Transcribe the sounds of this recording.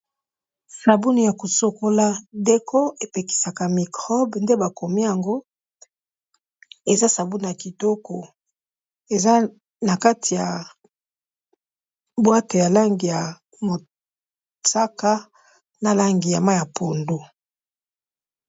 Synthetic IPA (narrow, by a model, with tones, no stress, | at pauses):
sa˨bu˦ni˨ja˨ko˨so˨ko˦la˦de˦ko˦e˨pe˨ki̥˨sa˨ka˨mi˨kʁɔ˦bnde˦ba˨ko˨mi˦ja˨ŋɡo˦ | e˨za˦sa˨bu˦ni˨ja˨ki˨tɔ˦ko˨ | e˨za˦ | na˨ka˦tʰi˨ja˨ | bwa˦te˨ja˨la˦ŋɡi˨ja˨ | mo˨ | ta˦ka˦ | na˨la˦ŋɡi˨ja˨ma˦ja˨po˨ndu˦